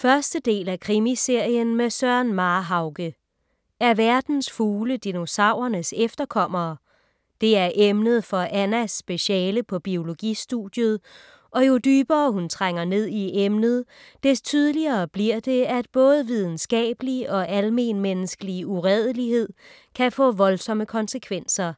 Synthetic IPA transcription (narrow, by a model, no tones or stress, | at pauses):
fɶɐsd̥əd̥e̝̰ːlækʰʁimise̝ɐ̰jənmesɶɐnmɑ̈ːɦɑ̈ʊɡ̥ə | æɐʋæɐd̥n̩sfuːləd̥ino̝sɑ̈ʊ̰ɐnəsefd̥ɐkʰɒ̽m̰ɐː | d̥e̝æɐʔemnəð̞̩ˠfɒ̽ʔænæsːb̥e̝ɕɛːləpʰɒ̽b̥io̝lo̝ɡ̥isd̥ṵd̥ˠjuðˠ | ʔɒ̽jo̝d̥yːb̥ɐːhunt͡sʰʁaŋ̰ɐne̝ð̞̰ˠiʔemnəð̞̩ˠ | d̥e̝st͡sʰyðˠəliɐːb̥liɐ̰d̥e̝æd̥̚b̥ɔ̽ːð̞ˠʋið̞ˠn̩sɡ̥ɛ̰ːb̥əliɒ̽ʔælme̝̰nmenəsɡ̥əliuʁɛð̞ˠəlihe̝ð̰ˠ | kʰæfɔ̰̽ːʋɒ̽lsɒ̽məkʰɒ̽nsəkʰʋen̰sɐ